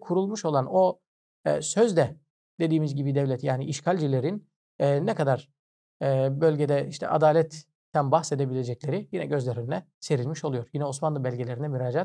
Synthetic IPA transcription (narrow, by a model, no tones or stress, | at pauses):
kʰuɾulˠmuʃo̞lˠano̞̰ | søzd̪ɛ | d̪e̞d̪iːmizɟibid̪ɛvlʲɛt̪jaːniiʃkʰalʲd͡ʒilʲe̞ɾinː | nːɛkʰad̪aɾ̥ː | bø̞lʲɟed̪ɛiʃt̪ʰɛ̰ʔa̰d̪aːlʲɛt̪ʰː | ænbaxse̞d̪ebilʲe̞d͡ʒɛclʲe̞ɾijinɛɟøzlʲeɾinlʲɛ | se̞ɾilʲmiʃo̞lˠujoɾjinɛosmanlˠɯbælʲɟelʲe̞ɾinɛmyɾaːd͡ʒat̪̚